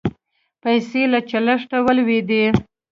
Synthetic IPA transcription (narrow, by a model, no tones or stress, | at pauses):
pajselat͡ʃalaʂʈawalwed̪e